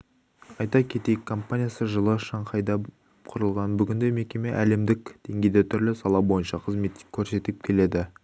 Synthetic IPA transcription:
ɑjt̪ɑkʲʰe̞t̪e̞jɪkʰːo̞mpanʲijasəʒəlˠəʃɑɴqʰɑjd̪ɑ | qʰʊɾəlˠʁɑnbʏɡʲɪnd̪e̞me̞kʲe̞me̞ʔæle̞md̪ɪkʲd̪̥e̞ŋɡʲejd̪e̞t̪ʰʏɾlɪsɑlˠɑbo̞jənʃɑqʰəzme̞t̪kʲʰːɵɾse̞t̪ɪp̚kʲʰe̞le̞d̪ɪ

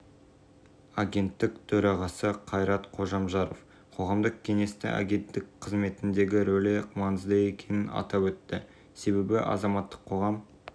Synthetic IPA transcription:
aɡʲe̞nt̪ːɪkt̪ʰɵɾɑʁɑsəqʰɑjɾɑt̪qʰo̞ʒɑmʒɑɾof | qʰo̞ʁɑmd̪əq̚kʲʰe̞ŋe̞st̪ɪ̰ʔa̰ɡʲe̞nt̪ːɪkqʰəzme̞t̪ɪnd̪e̞ɡʲɪɾɵleqmɑnəzd̪ɑe̞kʲʰe̞nɪnɑ̰t̪ɑpwɵt̪ːɪ | se̞βe̞bɪʔɑ̰zɑmɑt̪ːə̥qʰːo̞ʁɑm

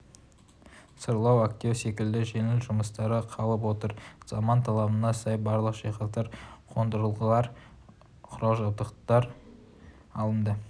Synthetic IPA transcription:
səɾlˠɑwak̚t̪ʲiose̞kʲɪld̪ɪʒe̞ŋɪlʒʊməst̪ɑɾəqʰɑlˠəpwo̞t̪əɾz̥ɑmɑnt̪ʰɑlˠɑbənɑsɑjbɑɾlˠəqʃɑjqɑqt̪ɑɾqʰo̞nd̪əɾəlˠʁəlˠɑɾ | qʰʊɾɑlˠʒɑd̪əqt̪ɑɾ | ɑlˠəmd̪ə

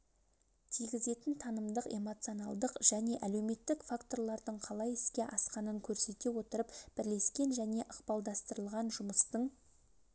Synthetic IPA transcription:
t̪ʰijɡʲɪze̞t̪ɪnt̪ʰɑnəmd̪əqe̞̰mo̞t̪sijo̞nɑlˠd̪əqʒ̥æne̞ʔæle̞wme̞t̪ːɪkfakt̪o̞rlˠɑɾd̪əɴqʰɑlˠɑjɪskʲe̞ʔɑsqɑnəŋkʲʰɵɾse̞t̪e̞wo̞t̪əɾəpb̥ɪɾle̞skʲe̞nʒæne̞ʔəqpɑlˠd̪ɑst̪əɾəlˠʁɑnʒʊməst̪əɴ

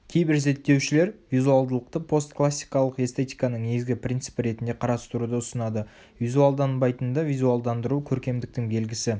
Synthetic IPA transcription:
kʲʰe̞jbɪɾze̞t̪ːe̞wʃɪle̞ɾvijzualˠd̪əlˠəq̚t̪əpʰo̞st̪klˠasʲːijkɑlˠəqe̞st̪e̞t̪ijkɑnəɴne̞ɡɪzɡʲɪpɾʲint̪sɨ̥pəɾe̞t̪ɪnd̪e̞qʰɑɾɑst̪əɾud̪əʊsənɑd̪ə | vijzualˠd̪ɑnbɑjt̪ənd̪ɑvijzualˠd̪ɑnd̪əɾukʲʰɵɾkʲe̞md̪ɪk̚t̪ɪŋbe̞lɡʲɪsɪ

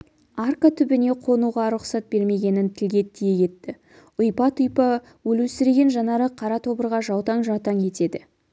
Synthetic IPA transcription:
arkat̪ʰʏbɪne̞qʰo̞nuʁɑɾʊqsɑt̪̚be̞ɾme̞ɡʲe̞nɪnt̪ʰɪlɡʲe̞t̪ʰːijekʲʰe̞t̪ːɪ | ʊjpɑt̪ʰʊjpɑ | wɵlɵsɪɾeɡʲe̞nʒɑnɑɾəqʰɑɾɑt̪ʰo̞bəɾʁɑʒɑwt̪ɑɴʒɑt̪ɑŋʰe̞t̪e̞d̪ɪ

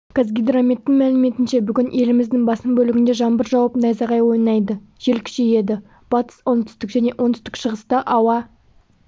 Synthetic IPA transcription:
kʰazɡʲid̪ɾamʲet̪ːɪŋmælɪme̞t̪ɪnʃe̞bʏɡʲɪnʔe̞lɪmɪzd̪ɪŋbɑsəmbɵlɪɡʲɪnd̪eʒɑnbəɾʒɑwɑpnɑjzɑʁɑjwo̞jnɑjd̪əʒ̥e̞lkʲʰʏ̥ʃeje̞d̪ɪ | b̥ɑt̪ə̥swont̪ʰʏst̪ɪkʒæne̞ʔont̪ʰʏst̪ɪ̥kʃəʁəst̪ɑʔɑwɑ

